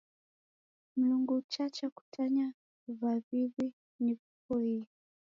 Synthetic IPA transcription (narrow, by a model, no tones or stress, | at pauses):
m̩luŋɡut͡ʃat͡ʃaku̥tʰaɲa | vavivi | nifukɔhiː